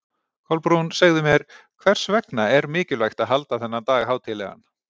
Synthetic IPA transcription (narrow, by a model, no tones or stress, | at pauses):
kʰɔlpɾunsaɣðɪmjɛɾ̥ | kʰvɛr̥svɛknaɛɾmɪːcɪlvajxt̪aðɦalt̪aθɛnːat̪aːɣɦaːwt̪ʰɪlːɛ̰ɣa̰n